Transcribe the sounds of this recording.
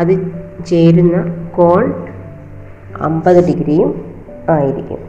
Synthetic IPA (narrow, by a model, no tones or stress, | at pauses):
ɐðɨt͡ɕe̞jɾunːɐko̞ːɭɖ | ɐ̰mbɐðɨɖiɡɾijum | aːjiɾikʲːṵm